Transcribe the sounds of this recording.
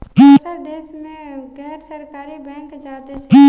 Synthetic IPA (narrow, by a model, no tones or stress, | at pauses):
ɦsəɾd̪eːsmẽɡɛːɦɾsəɾkaːɾibɛ̃ːŋkd͡ʒaːt̪et͡ʃʰ